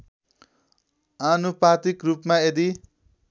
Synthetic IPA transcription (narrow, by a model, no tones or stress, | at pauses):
anupat̪ikrupmaed̪i